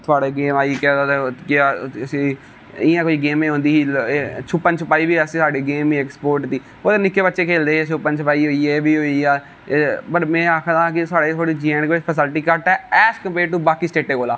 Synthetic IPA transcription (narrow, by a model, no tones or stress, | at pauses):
t̪ʰʊaːɽeːɡeːmaːiːkɛot̪ekɪsĩː | ɪjãːkoiːɡeːmẽːɦʊ̃nd̪iːt͡ʃʰʊpːənt͡ʃʰʊpaːiːbiːəsĩsaːɖeːɡeːmiɛːkspoːɾʈd̪iː | oːt̪eːnɪkːeːbətːʃeːkʰeːld̪eːet͡ʃʰʊpːənt͡ʃʰpaːiːɦoːiːeːbiːɦoːiːaː | pəɾmɛ̃ːaːkʰd̪ãːkɪsaːɽeːt̪ʰaːɽiːd͡ʒiəɳkeɪt͡ʃpʰəsəlʈiːkəʈɛːɛːskəmpeːʈuːbaːkiːsʈeːʈːeːkoːlaː